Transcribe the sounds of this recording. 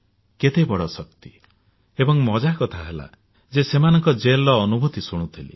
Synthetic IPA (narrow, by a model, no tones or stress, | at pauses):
ket̪ebɔɽɔsɔk̚t̪i | ebɔŋmɔd͡ʒakɔt̪ʰaɦela̰ | d͡ʒesemanɔŋkɔd͡ʒelɔːnubʱut̪isuɽ̃ut̪ʰilḭ